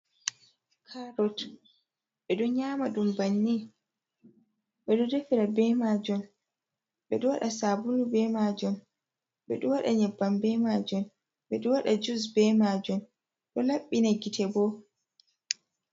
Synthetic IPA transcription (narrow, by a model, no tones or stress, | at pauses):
kʰaɾɔt | ɓɛɗɔɲaːmaɗumbanːi | ɓɛɗɔdefiɾabɛmad͡ʒɔn | ɓɛɗɔwaɗasabulubɛmad͡ʒɔn | ɓɛ̰ɗɔwaɗaɲɛbːambɛmad͡ʒɔn | ɓɛɗɔwaɗad͡ʒus̬bɛmad͡ʒɔn | ɗɔlaɓːinaɡitɛbɔ